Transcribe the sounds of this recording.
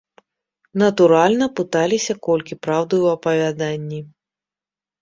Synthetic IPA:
nɐt̪uɾalʲnɐpɨt̪alʲisʲɐkɔlʲkʲipɾawd̪ɐjwɐpɐvʲad̪anʲːi

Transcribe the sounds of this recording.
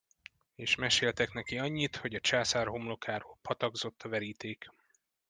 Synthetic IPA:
eːʃmɛʃeːlt̪ɛknɛkiɒɲːit̪ho̞ɟɒt͡ʃaːsaːrɦo̞mlo̞kʰaːɾoːlpɒt̪ɒɡzo̞t̪ʰːɒvɛɾiːt̪eːk

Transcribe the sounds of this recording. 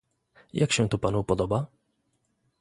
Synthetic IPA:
jʔakɕɛ̃t̪upanupɔd̪ɔba

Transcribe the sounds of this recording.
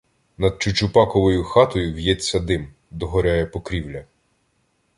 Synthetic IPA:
nɐd̪̚t͡ʃʊt͡ʃʊpɑkɔʋɔjʊxɑt̪ɔjʊwjɛt͡sʲːɐd̪ɪm | d̪ɔɦɔɾʲajɛpɔkɾʲiwlʲɐ

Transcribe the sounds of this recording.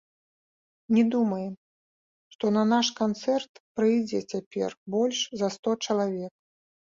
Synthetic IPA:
nʲɛd̪umɐjɛm | ʂt̪ɔnɐnaʂkant̪sɛrt̪pɾɨjd͡zʲɛt͡sʲapʲɛ̰rbɔlʲʂzɐst̪ɔt͡ʂɐlˠavʲɛk̚

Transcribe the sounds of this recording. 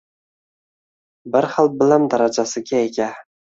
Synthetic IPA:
bɪɾhalˠbɪlamd̪aɾad͡ʒasɪɡʲaekʲʰa

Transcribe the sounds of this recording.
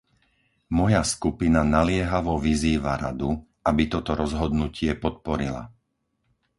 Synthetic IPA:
mɔjaskupinanalɪɛɦaʋɔʋiziːʋaɾad̪u | ʔabit̪ɔt̪ɔɾɔzɦɔd̪nucɪɛpɔt̪̚pɔɾila̰

